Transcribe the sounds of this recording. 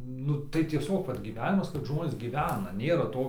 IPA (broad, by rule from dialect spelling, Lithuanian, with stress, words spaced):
ˈnʊ tɐɪ tʲiɛˈsʲoːk ˈʋɐt ɡʲiːˈʋʲæːnʲɪmɐs kɐt ˈʒmoːnʲeːs ɡʲiːˈʋʲæːnɐ ˈnʲeːrɐ ˈtoː